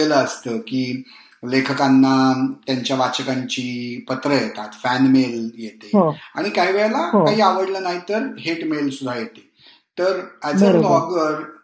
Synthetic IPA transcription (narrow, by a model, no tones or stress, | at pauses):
eləəst̪əkiː | lekʰəkanːat̪jaɲt͡ɕjaʋat͡ɕəkaɲt͡ɕiːpət̪ɾəjet̪at̪fænmeljet̪eɦoaɽ̃ikaɦiːʋɛɭlakaɦiːaʋəɽləːnaɦit̪əɾɦeʈmelsud̪ʱajet̪e̥ | t̪əɾæd͡zbədɔɡʋəɾ